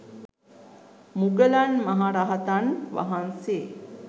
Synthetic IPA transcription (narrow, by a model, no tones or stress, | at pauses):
muɡəlanmaɦaɾaɦat̪anʋa̰ɦanse